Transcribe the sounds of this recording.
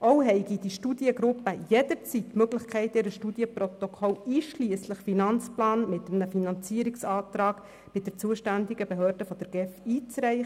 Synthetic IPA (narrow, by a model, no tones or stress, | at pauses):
ʔoʊɦɛɪɡid̥iʃtud̥jəɡɾʊpːəjɛd̥əɾt͡sitːmøɡlɪχkʰɛɪtɪɾəʃtud̥jəprɔt̪okʰɔliːʃliəsləχfinɑnt͡splɑːnmɪt̪əmnəfinɑnt͡siəɾɪksɑːt̪rɑːk | b̥ɪd̥əɾt͡suəʃtændɪɡəbeɦøːɾd̥əfɔd̥ɛɾɡ̥ɛfiːt͡sɾɛɪχə